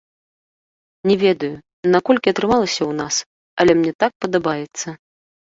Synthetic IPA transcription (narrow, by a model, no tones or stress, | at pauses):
nʲɛvʲɛd̪ɐju | nakɔlʲkʲiɐt̪ɾɨmalˠɐsʲɐwnas | ɐ̰lʲɛmnʲɛt̪ak̚pɐd̪abajɛt̪sːɐ